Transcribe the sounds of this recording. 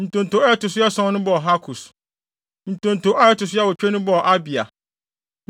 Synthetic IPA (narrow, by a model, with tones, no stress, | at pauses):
n̩˨tʰõ˨n̩˨tʰo˨ɛ˦tʊ˨sʊ˦ɛ˦sɔ̃˦nʊ̃˦bɔ˦˨ɦa˦kʰu˨s | n̩˨tʰõ˨n̩˨tʰõ˨ʔa˦ɛ˦tʊ˨s̬ʊ˦a˦wʊ˨t͡ɕᶣɛ˦nʊ̃˦bɔ˦˨ʔa˦bi˨a̰˨